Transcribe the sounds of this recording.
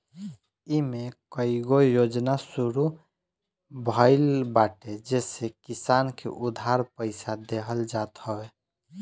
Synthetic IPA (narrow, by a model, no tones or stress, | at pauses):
imẽkəiɡojod͡ʒnasuɾu | bʱəɪlbaːʈed͡ʒeːsekisankḛʔʊd̪ʱaɾpəɪsad̪eɦəld͡ʒat̪həwe